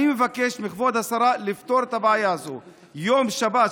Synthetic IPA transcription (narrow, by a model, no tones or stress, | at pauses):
imevake̞ʃmiχvod̪hasaɾalift̪o̞ɾet̪abaʕajaːzo | jomʃaba